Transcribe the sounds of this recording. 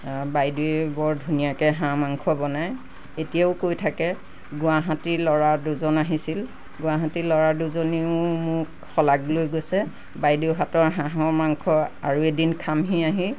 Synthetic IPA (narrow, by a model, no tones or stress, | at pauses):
bajduɛbɔɹdʱunijakɛɦãmaŋkʰɔbɔnaj | etijaʊkojtʰakɛ | ɡʊwaɦatilɔɹaduzɔnaɦisil | ɡʊwaɦatilɔɹaɹduzoniʊmʊɹk | xɔlaɡlojɡojsɛ | bajdiʊɦatɔɹɦãɦɔɹmaŋkʰɔa̰ɹuedinkʰamɦiaɦĩ